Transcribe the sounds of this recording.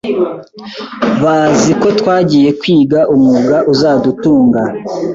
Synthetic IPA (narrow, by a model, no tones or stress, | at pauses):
βaːziko̞twaːɟiːje̞kwiːɡaʔumuɡaʔuzaːdutuːŋɡa